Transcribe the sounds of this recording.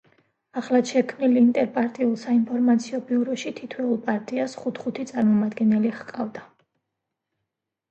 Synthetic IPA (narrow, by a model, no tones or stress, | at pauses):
aχlˠad̪ʃɛkʰmniliːnt̪ʼɛɾpʼaɾt̪ʼiulˠsainpʰɔɾmat̪sʰiɔbiuɾɔʃit̪ʰit̪ʰwɛulˠpʼaɾt̪ʼiasχut̪ʰχut̪ʰit̪sʼaɾmɔmad̪ɡɛnɛliχqʼavd̪a